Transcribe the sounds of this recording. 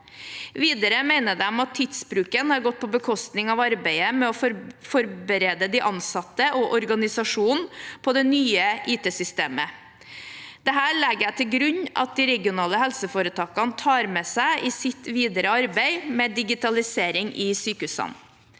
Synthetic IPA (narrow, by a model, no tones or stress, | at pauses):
ʋiːd̪əɾəmæɪnəd̪ɛmɑt̪ʰːɪd̪sbɾʉːkənhɑɾɡɔt̪̚ːpʰɔbəkʰɔst̪nɪŋɑʋɑɾbæɪəmɛɔfɔɾbəɾeːd̪əd̪ɪʔɑnsɑt̪ːəʔɔʔɔɾɡɑnɪsɑʂuːnpʰɔd̪ɛnyːəʔiːt̪ʰeːsʏst̪ḛːmə | d̪̥ɛɦæːɾɭɛɡjæɪt̪ʰɪlɡɾʉɲɑ̰t̪̚d̪ɪɾɛɡɪʊnɑːləɦɛlsəfoːɾət̪ʰɑːkɑnət̪ʰɑːɾmɛsæɪʔɪsɪt̪ʋiːd̪əɾəɑɾbæɪmɛd̪ɪɡɪt̪ɑlɪseːɾɪŋʔɪsyːkəhʉːsɑ̰n